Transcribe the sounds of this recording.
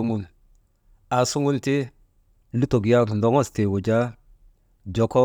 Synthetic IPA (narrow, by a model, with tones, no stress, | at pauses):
mu˦n | a˨su˦ŋu˦nti˦ | li˦to˨ɡi˨a˦˨ndo˨˦ŋo˦ste˨wu˨d͡ʒa˦ | d͡ʒo˨kɔ˦